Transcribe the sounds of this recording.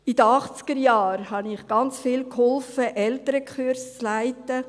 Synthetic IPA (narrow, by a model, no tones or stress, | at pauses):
id̥̪əɑχt͡skəɾjɑːɾhɑnɪχɡ̥ɑnt͡sfiːlkhɔlfəʔɛltəɾəkχyɾst͡slæɪtə